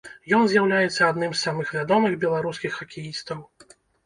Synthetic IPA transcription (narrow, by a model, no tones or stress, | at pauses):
jɔnzʲjawlʲajɛt̪sːɐad̪nɨmsːamɨxvʲad̪ɔmɨxbʲɛlˠaɾuskʲixːɐkʲʰijist̪ɐw